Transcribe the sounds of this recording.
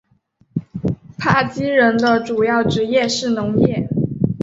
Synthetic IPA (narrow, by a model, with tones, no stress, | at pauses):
pʰa˥˩t͡ɕi˥ɻə˧˥nd̪ə˧ʈ͡ʂu˨˩jɑ˥˩ʊʈ͡ʂɻ̩˧˥jɛ˥˧ʂɻ̩˥˩nʊ˧˥ŋjɛ˥˩